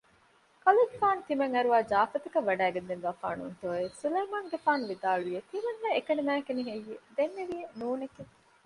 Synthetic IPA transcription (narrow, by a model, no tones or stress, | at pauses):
kɐluɡefaːnut̪imɐŋɐɾuʋaːd͡ʒaːfɐt̪ɐkɐʋːɐɖæːɡend̪enʋaːfa̰ːnṵnt̪oːesulejmaːŋɡefaːnuʋid̪aːɭuʋiet̪imɐnːɐekɐnimæːkeniɦejːed̪enːeʋijenuːnekeŋ